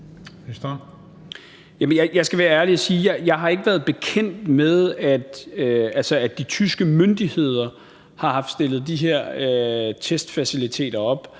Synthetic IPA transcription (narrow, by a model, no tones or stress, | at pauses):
sd̥ | jæmənjɑɪjɑ̈ɪsɡ̥æʋæːɐæɐliɒsiːjɑ̈ɪjɑ̈ɪɦɑ̈e̝ɡ̥əʋæːɐð̞ˠb̥e̝kʰen̰d̥með̞ˠæd̥øælsəædd̥it͡sʰysɡ̥əmønd̥ihe̝ð̞̰ˠɐ | hɑ̈hɑ̈fd̥sd̥e̝l̰ð̞̩ˠd̥iɦe̝ɐ̰øt͡sʰesd̥fæsilit͡sʰe̝̰ːd̥ɐɒ̽b̥